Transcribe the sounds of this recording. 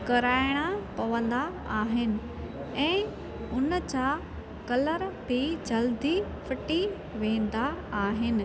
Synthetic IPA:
kɐɾaːɪɽ̃apɐʋə̃nd̪a | aːɦɪnɪ̆ | ɛ̃ː | ʊnət͡ɕa | kɐləɾbid͡ʑɐld̪i | fʰɪʈi | ʋẽːnd̪aaːɦɪnɪ̆

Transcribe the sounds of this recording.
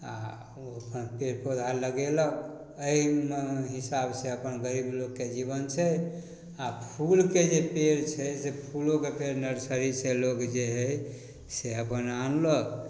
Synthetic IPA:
a̰ | oəpʰənpeɾpod̪ʱaləɡelək | əimɦisabseəpənɡəɾiblokːed͡ʒibənt͡ʃʰɛ | apʰulked͡ʒepeɾt͡ʃʰɛsepʰulokepʰeɾnəɾsəɾiselokd͡ʒeɦə | seəpənanlək

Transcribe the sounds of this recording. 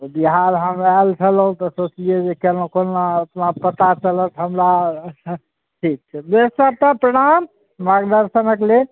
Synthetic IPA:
obiɦaɾɦəmalt͡ʃʰəlũt̪ɔsot͡ʃlijed͡ʒekenokonaət̪napət̪at͡ʃələt̪ɦəmɾa | ʈʰik̚t͡ʃʰɛbesət̪əpɾəɽ̃amː | aɡd̪əɾsənəkle

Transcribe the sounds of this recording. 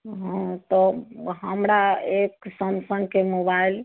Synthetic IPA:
ɦãt̪ɔɦəmɾaeksənsə̃ŋɡ̚kemobail

